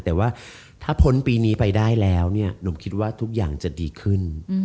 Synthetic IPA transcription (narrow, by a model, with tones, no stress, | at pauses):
t̪ɛː˨˩waː˥˩ | t̪ʰaː˥˩pʰo˦˥npiː˧niː˦˥pa˧jdaː˥˩jlɛː˦˥wni˥˩ɐno˩˦mkʰi˦˥t̪̚waː˥˩t̪ʰu˦˥k̚jaː˨˩ŋt͡ɕa˨˩diː˧kʰɯ˥˩n